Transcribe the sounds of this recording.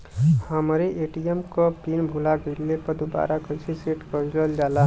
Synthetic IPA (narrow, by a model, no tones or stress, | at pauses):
həmɾeʔeʈijəmkopinbʱulaɡəɪlːepəd̪uba̰ːɾakəsiseʈkəɾəld͡ʒaːla